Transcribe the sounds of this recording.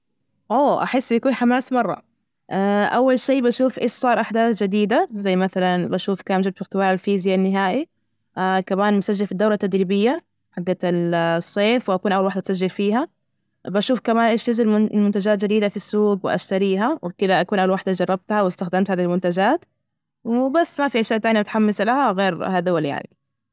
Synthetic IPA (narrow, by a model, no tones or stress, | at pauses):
ʔoːʔa̰ħɪsːbijakuːnħamaːsmɑrˤːɑ̰ | ʔaʔawːalʃeːbaʃuːfʔeːʃsˤɑːɾˤʔaħd̪aːθd͡ʒɪd̪iːd̪azajːmaθalanbaʃuːfkaːmd͡ʒɪb̚t̪fɪɣt̪ɪwaːʕalfiːzjanːɪɦaːʔi | akamaːnmʊsaʒːɪlfid̪ːawɾɑt̪ːad̪ɾibɪjːa | ħaɡːalsˤːeːfwɪʔakuːnʔawalwaħd̪at̪sad͡ʒːɪlfiːɦa | baʃuːfkamaːnʔɪʃt̪azɪllmʊnt̪ad͡ʒaːt̪̚d͡ʒɪd̪iːd̪afisːuːɡwɪ̰ʔa̰ʃt̪aɾiːɦawɪkɪd̪aʔakuːnʔawalwaħd̪ad͡ʒɑrˤːɑb̚t̪hawɪst̪axd̪amt̪haːðihlmʊnt̪ad͡ʒaːt̪ | wɪbasːmafiʔaʃjaːʔt̪aːnjimʊt̪ħamːɪsalahaɣeːɾhaːðahwalja̰ʕni